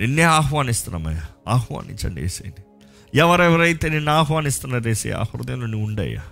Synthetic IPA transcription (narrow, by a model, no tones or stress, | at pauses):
ninːeːaːɦʋaːnist̪una̰mɐ̰jaaːhʋa̰ːnʔḭɲt͡ʃɐ̰ɳɖḛːsḛːjni | ɛʋɐɾɛʋɐɾɐjt̪eːninːaːɦʋaːnist̪unːaɾeːsḛːa̰ːhɾṵd̪jɐnloniuɳɖɐ̰ja̰